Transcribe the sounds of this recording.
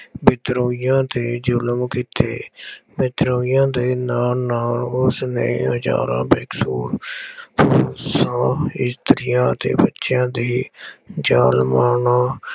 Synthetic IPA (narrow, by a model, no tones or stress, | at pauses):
bɪt̪ɾoːijãːt̪eːd͡ʒʊləmkit̪eːbɪt̪ɾoːijãːd̪eːnaːnaːʊsnḛ̃ːɦəd͡ʒa̰ːɾã̰ːbeːksuːɾpʰoːsãːɪst̪ɾɪjãːt̪ḛːbətːʃjãːd̪iːd͡ʒaːlmaːɳaː